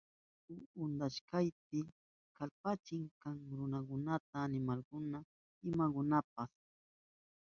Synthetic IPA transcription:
ʊʊnd̪aʃkajp̚ɪ | kalpat͡ʃɪŋkaŋɾʊnakʊnat̪aːnɪmalkʊna | ɪmakʊnap̚as

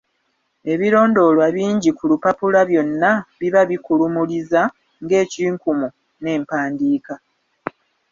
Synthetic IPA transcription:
e̞βiɾo̞ːndo̞lwaβiːɲɟikulupapulaβjo̞nːaβiβaβikulumuliza | ŋɡe̞ːciːŋkumu | ne̞ːmpaːndiːka

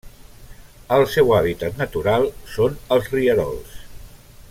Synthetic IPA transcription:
əlˠsɛwaβ̞it̪ət̪nət̪uɾalˠsonəlˠzriəɾɔ̰lˠs

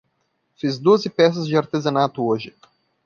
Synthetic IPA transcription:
fizd̪oɐzɪpɛs̬ɐzd͡ʒɪaɾt̪ezɐnat̪ʊoʒɪ

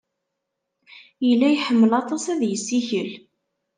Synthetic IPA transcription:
jəlːæjħəmːəlɑt̪ˤɑsæðjəsːiçəl

